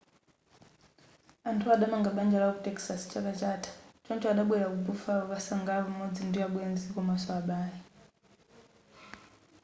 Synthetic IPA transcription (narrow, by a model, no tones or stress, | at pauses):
antʰuaɗamaŋɡaɓand͡ʒalakutɛksast͡ʃakat͡ʃatʰḁt͡ʃɔnt͡ʃɔaɗaɓwɛjakupufaɔβasaŋɡapamɔd͡zindiaɓwɛnzikɔmasɔaɓaːji